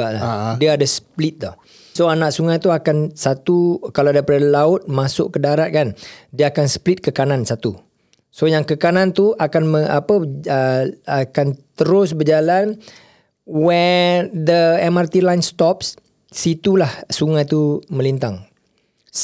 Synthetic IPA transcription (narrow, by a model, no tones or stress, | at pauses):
aʔladiaːdasə̥plɪt̪̚d̪ɔh | soanaʔsuŋajt̪uakansat̪ukaladajpadalaʊt̪̚mãsʊʔkədaɾat̪̚kandiəakansə̥plɪt̪̚kəkanansat̪u | sojaŋkəkanãnt̪uʔakanməapəəakant̪əɾʊs̬bərd͡ʒalan | wɛnd̪əɛmart̪ilajnst̪ɔps | sit̪ulahsuŋajt̪umə̃lint̪aŋ